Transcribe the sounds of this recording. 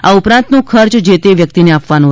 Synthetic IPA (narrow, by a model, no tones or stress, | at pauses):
aupɾãnt̪nũkʰəɾt͡ʃd͡ʒet̪eʋjəkt̪ineapʋanũ